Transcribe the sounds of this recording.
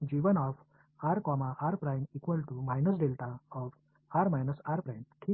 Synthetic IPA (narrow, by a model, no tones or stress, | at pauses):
d͡ʑiːʋənɔf | aɾkɔmahaɾpɾajmikʋəlʈumajnəsɖelʈaɔf | aɾmajnəsaɾpɾajmʈʰi